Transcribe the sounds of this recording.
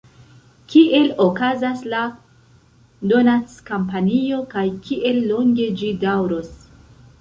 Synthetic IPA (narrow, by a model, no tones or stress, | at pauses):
kiʔe̞lokazasla | do̞nat͡skampanio̞kajkʰiʔe̞lːo̞ŋɡe̞d͡ʒidawɾo̞s